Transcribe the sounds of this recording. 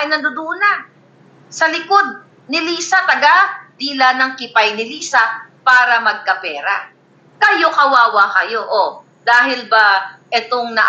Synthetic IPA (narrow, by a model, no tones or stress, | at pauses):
ɐjnɐnd̪ʊd̪una | sɐlɪko̞d̪̚ | nɪliːsɐt̪ɐɡad̪ilanɐŋkɪpajnɪliːsɐpaːɾɐmɐɡ̚kɐpɛːɾa̰ | kɐjo̞kɐwaːwakɐjo̞ʔo | d̪aːɦɪlbaʔɛt̪o̞ŋnɐ̰ʔ